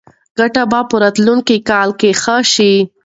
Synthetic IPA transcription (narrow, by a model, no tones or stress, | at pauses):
ɡ̥aʈabɑpəɾat̪luŋkikɑlkexəʃi